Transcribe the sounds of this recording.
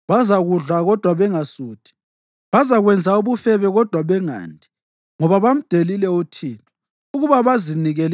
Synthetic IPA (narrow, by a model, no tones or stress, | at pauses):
βazaɣuɮaɣɔd̥ʱwaβɛŋasuːtʰʼi̥ | βazaɣwɛnd͡zʱauβufɛβɛɣɔd̥ʱwaβɛŋa̰ːndʱi̥ | ŋɔβaβam̩d̥ʱelilɛutʰiːnʼɔ | uɣuβaβaziniɣɛl